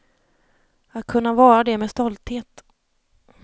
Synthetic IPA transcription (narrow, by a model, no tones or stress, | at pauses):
at̪̚kʰɵnːavɑːɾad̪ɛmɛːst̪ɔlt̪heːt̪